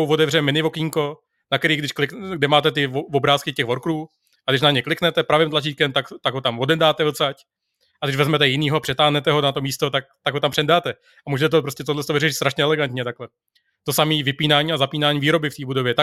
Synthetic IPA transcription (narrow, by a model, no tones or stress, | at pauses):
owvo̞dɛvrɛmɪnɪvo̞kiːŋko̞ | nak̪ɛɾiːɣɡdɪʃklɪkɡ̚dɛmaːt̪ɛt̪ɪovobɾaːskɪcɛɣvoɾkɾuː | ʔaɡdɪʃ̬naɲɛklɪknɛt̪ɛpɾavɪːmt̪lat͡ʃiːkɛmt̪akt̪aɡɦot̪amvo̞dɛndaːt̪ɛvl̩t͡sac | aɡdɪʒvɛzmɛt̪ɛjɪniːɦoapr̥ɛt̪aːɦnɛt̪ɛɦo̞nat̪o̞miːst̪o̞t̪ak̚t̪aɡɦo̞t̪ampr̥ɛndaːt̪ɛ | amuːʒɛt̪ɛt̪̬opɾo̞scɛt̪odlɛst̪ovɪrɛʃɪt̪st̪ɾaʃɲɛɛlɛɡant̪ɲɛt̪aklɛ | t̪o̞samiːvɪpiːnaːɲiːazapiːnaːɲiːviːɾo̞bɪft̪iːbudo̞vjɛt̪a